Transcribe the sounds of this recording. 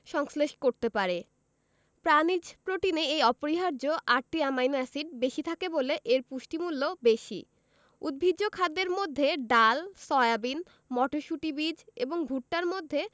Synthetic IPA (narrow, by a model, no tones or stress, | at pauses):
ʃɔŋsleʃkoɾt̪epaɾe | pɾanid͡ʑpɾoʈineejɔpoɾiɦaɾd͡ʑoʔaɾ̚ʈːiamajnoɛsiɖ̚beʃit̪ʰakeboleʔeɾpuʃʈimulːobeʃḭ | ṵd̪̚bʱid͡ʑːokʰad̪ːeɾmod̪ʱːeɖalsɔeabin | mɔʈoʃuʈibid͡ʑeboŋbʱuʈ̚ʈaɾmod̪ʱːe